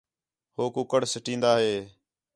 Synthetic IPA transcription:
hoːkʊkəɽsɪʈĩːnd̪aːɦeː

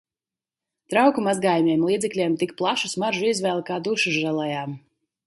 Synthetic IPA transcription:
t̪ɾawkumazɡaːjumʲeɛmlˠiːd̪zɛklʲeɛmt̪ikplˠaʃusmaɾʒuizvɛːlˠkaːd̪uʃuʒɾalˠajaːm

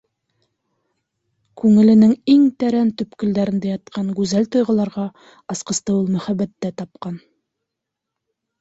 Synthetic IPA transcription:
kʉŋɘ̆lɘ̆nɘŋiŋt̪æɾænt̪ɵ̆pkɘ̆ld̪æɾɘ̆nd̪æjɑt̪̚qɑŋɡʉzælt̪ŏjʁɤ̆lˠɑɾʁɑ | ɑsqɤ̆st̪ɤulˠmɵ̆χæbæt̪ːæt̪ɑp̚qɑn

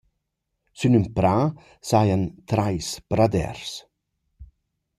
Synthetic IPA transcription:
synympɾa | sajant̪ɾajspɾad̪ɛ̰ɾs

